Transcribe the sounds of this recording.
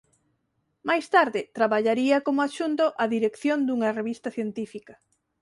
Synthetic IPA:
majst̪aɾðɪt̪ɾaβaʎaɾiɐkomoaʃunt̪oʔaðiɾekθjond̪uŋɐreβist̪ɐθjent̪ifikɐ

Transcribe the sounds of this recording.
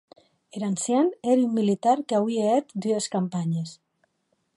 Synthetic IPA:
eɾansjaneɾymːilit̪aɾkawieet̪d̪yeskampaɲes

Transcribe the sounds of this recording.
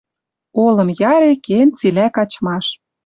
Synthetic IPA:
olɤ̆mjɑɾekent͡silækɑt͡ɕmɑʃ

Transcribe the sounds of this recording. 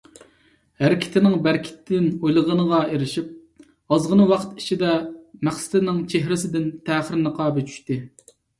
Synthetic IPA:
hæɾɪkʲʰɪ̥t̪ʰɪnɪŋbæɾkʲʰɪ̥t̪ʰd̪ɪnojlˠəʁənəʁɑeɾɪʃip̚ | ɑzʁənɨwɑqʰt̪i̥t͡ʃʰid̪ɛmæχsɪ̥t̪ʰɪnɪŋt͡ʃʰeɦɾɪsɪd̪ɪnt̪ʰæːχəɾnɨqʰɑːbɪt͡ʃʰy̥ʃt̪ɪ

